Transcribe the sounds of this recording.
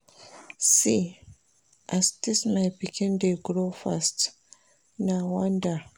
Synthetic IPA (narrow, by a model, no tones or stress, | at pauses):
si | ʔastisnajbikʰindeɡɾofast | nawanda